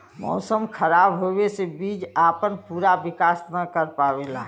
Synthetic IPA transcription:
mɔ̰ːsəmkʰəɾaːbɦobesebiːd͡ʒaːpənpuːɾaʋɪkaːsnəkəɾpaːʋela

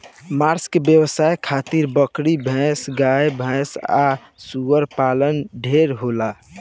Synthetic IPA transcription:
maɾskebjəwəsajkʰat̪iɾbəkɾibʱɛ̃sɡajbʱɛ̃sa̰ | suəɾpalənɖʱeɾɦola

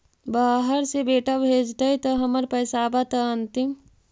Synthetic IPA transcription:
baːɦəɾsebeːʈabʱeːd͡ʒd̪ɐit̪ɐɦɐməɾpɐjsaːbat̪ɐɐnt̪im

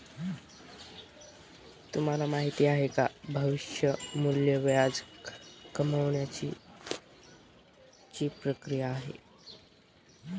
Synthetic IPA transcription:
t̪um̤alamaɦit̪iːaɦeka̰bʱəʋiɕjəmuljəʋjad͡z | kəməʋɳjat͡ɕḭ | t͡ɕiːpɾəkɾijaːɦḛ

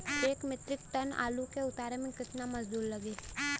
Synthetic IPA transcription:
eːkmɪt̪ɾɪk̚ʈ̪əna̰ːlukeʊt̪aːɾemẽkɪt̪namɐsd̪uːɾlɐɡeː

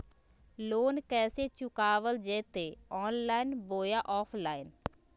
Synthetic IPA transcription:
loːnkɛːseːt͡ʃʊkaːʋəld͡ʒeːt̪eːɔːnlaːinboːjaːʔɔːpʰlaːin

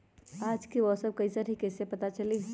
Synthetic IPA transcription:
aːd͡ʒkiʋɔsəb̚kɐisaːɾɦikɛːsepɐt̪at͡ʃɐli

